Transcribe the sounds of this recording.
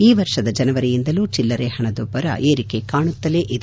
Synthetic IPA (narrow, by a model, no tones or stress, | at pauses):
iːʋɐɾʂɐd̪ɐd͡ʒɐnɐʋɐɾɛjind̪ɐluːt͡ʃilːɐɾehɐɳɐd̪ɔbːɐɾɐ̰ʔeːɾike̞kaːɳut̪ːɐleʔid̪